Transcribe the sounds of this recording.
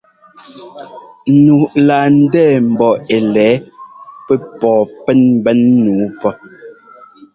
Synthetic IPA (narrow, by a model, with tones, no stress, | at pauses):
n̩˦˨nu˨ʔlaː˨n̩˦dɛː˦˨m̩˨bɔ˨e˨lɛː˨˦pɛ˦pɔː˨pɛ˦nm˦bɛ˦nːuː˨˦pɔ˦